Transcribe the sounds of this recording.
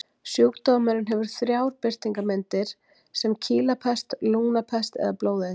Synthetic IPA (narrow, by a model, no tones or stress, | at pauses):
sjuwkt̪oːmɛɾɪnɦɛvʏɾ̥θɾjaːwɾ̥pɪr̥t̪iŋkamɛnt̪ɪɾ̥ | sɛmcʰiːlapʰɛst̪luːnapʰɛst̪ɛ̰ðaploːwðɪ